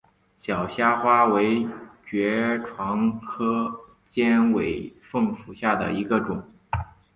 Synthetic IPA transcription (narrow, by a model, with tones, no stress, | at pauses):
ɕjɑ˨˩ʊɕja˥xwa˥we˧˥ɪt͡ɕɥɛ˧˥ʈ͡ʂʰwɑ˧˥ŋkʰɤ˥ | t͡ɕjɛ˥nwe˨˩ɪfɤ˥˩ŋfu˨˩ɕja˥˩d̪ə̰˩i˧˥ɡə˧ʈ͡ʂʊ˨˩˦ŋ